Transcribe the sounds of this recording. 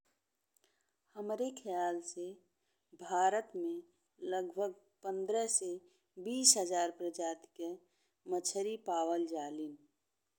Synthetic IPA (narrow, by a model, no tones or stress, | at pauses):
həmɾekʰəjaːlse | bʱaːɾət̪mẽ | ləɡbʱəɡ̚ | pə̃nd̪ɾəse | biːsɦəd͡ʒaːɾpɾəd͡ʒaːt̪ke | mət͡ʃʰəɾipaːwəld͡ʒaːlin